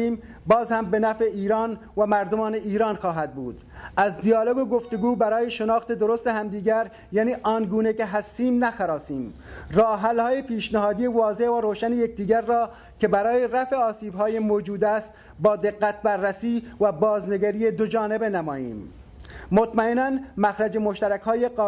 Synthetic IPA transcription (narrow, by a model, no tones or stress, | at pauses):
iːm | bɒːzhæmbenæfeiːɾɒːn | væmæɾd̪omɒːneiːɾɑːnxɒːɦæd̪̚buːd̪̥ | æzd̪ijɒːloɡoɡoft̪eɡuːbæɾɒːjeʃenɒːxt̪ed̪oɾost̪eɦæmd̪iːɡæɾ | jæːniːʔɒːnɡuːnekeɦæst̪iːmnæxæɾɒːsiːm | rɑːɦælhɒːjepiːʃnæɦɒːd̪ijevɒːzevæɾoːʃænejek̚d̪iːɡæɾːɒː | kebæɾɒːjeɾæfeɒːsiːbɦɒːjemod͡ʒuːd̪æst̪ | bɒːd̪eɡːæt̪̚bæɾːæsiːvæbɒːzneɡæɾijed̪od͡ʒɒːnebenamɒːjḭːmː | ot̪mæenænmæxɾad͡ʒemoʃt̪æɾækhɒːjeqː